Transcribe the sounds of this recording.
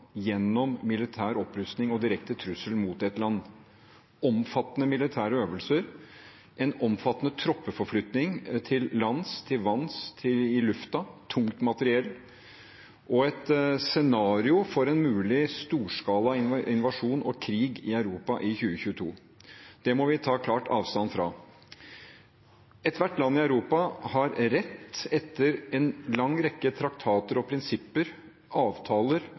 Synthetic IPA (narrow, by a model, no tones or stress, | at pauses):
jɛnːɔmmɪlɪt̪ʰæːɾɔpːɾʉst̪nɪŋɔd̪ɪɾɛkt̪ət̪ʰɾʉsəlmuːt̪ɛt̪lɑnː | ɔmfɑt̪ːənəmɪlɪt̪ʰæːɾəøːʋəlsəɾ | ʔɛnɔmfɑt̪ːənət̪ʰɾɔpːəfɔɾflʏt̪nɪŋt̪ʰɪlːɑnst̪ʰɪlʋɑnst̪ʰɪɪlʉft̪ɑt̪ʰʊŋt̪mɑt̪əɾɪɛlː | ʔɔɛt̪sɛnɑːɾɪʊfɔɾɛnmʉːlɪst̪uːʂkɑːlɑɪnʔɪnʋɑʂuːnɔ̰kʰɾiːɡɪœʉɾuːpɑʔɪçʉːəçʉːət̪ʰṵː | d̪̥ɛmɔʋɪt̪ʰɑːkʰlɑːʈʰɑ̰ːʋst̪ɑnfɾɑ̰ | ɛt̪ʋæʈːlɑnːɪɑʉɾuːpɑhɑɾɾɛt̪ːɛt̪ːəɾɛnlɑŋːɾɛkːət̪ʰɾɑkt̪ʰɑːt̪əɾɔpʰɾɪnsɪpːəɾ | ʔɑːʋt̪ʰɑːləɾ